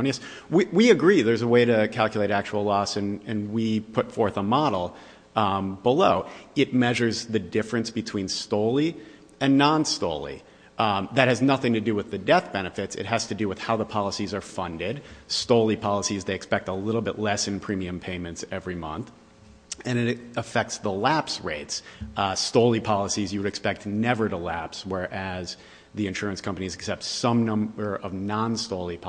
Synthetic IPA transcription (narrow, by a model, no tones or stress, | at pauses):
niɨs | wiwiɨɡɹiðə˞zəweɪɾɨkʰælˠkjleɪɾæk̚t͡ʃul̩ˠlɔsɨ̃nɨ̃nwipʰʊtfɔɹθəmɑɾl̩ˠ | bəloʊɨt̚mɛʒə˞zðɨdɪfɹɨ̃nsb̥ɨtʰw̥ĩnstoʊlˠi | ɨ̃nːɑ̃nstoʊlˠḭ | ðɨt̚hɨznʌθɪ̃ŋtʰɨdɨwɨðɨdɛθb̥ɛnɨfɨtsɨ̰t̚ɦɨz̥tɨdɨwɨð̥haʊðəpʰɑlˠəsizə˞fʌ̃ndɪd̚stoʊlˠipʰɑlˠəsizðeɪɨkspɛk̚təlɪɾl̩ˠbɪʔˡlɛsɨ̃npʰɹ̥ĩmiɨ̃mpʰẽɪ̃mɨ̃ntsɛvɹimʌ̰̃nθ | ɨ̃nɨɾəfɛk̚tsðəlæpsɹeɪtsstoʊlˠipʰɑlˠəsizjɨwɨɾɨkspɛk̚tnɛvə˞ɾəlæpswɛ˞ʔɨz | ðiɨ̃nʃʊɹɨ̃nskʰʌ̃mpɨnizɨksɛp̚tsʌ̃mnʌ̃mbə˞ʔʌvnɑ̃nstoʊlˠipʰ